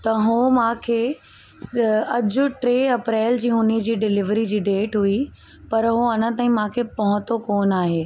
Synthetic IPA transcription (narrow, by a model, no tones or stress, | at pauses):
t̪ɐɦumãːkʰeː | ɐd͡ʑʊ̆ʈɾeːɐpɾeːld͡ʑiːɦʊnid͡ʑiːɖɪlɪʋɾid͡ʑiːɖeːʈɦui | pɐɾɦuɐnət̪aːĩmãːkʰepɐɦʊ̃t̪okoːnaːɦeː